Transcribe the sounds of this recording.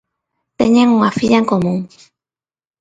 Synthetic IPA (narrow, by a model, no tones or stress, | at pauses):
t̪ḛɲẽŋuŋafiʎaeŋkomũŋ